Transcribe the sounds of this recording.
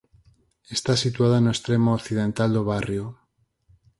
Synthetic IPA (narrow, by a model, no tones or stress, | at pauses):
est̪asit̪uað̞anoest̪ɾemookθið̞e̞nt̪ald̪oβ̞arjo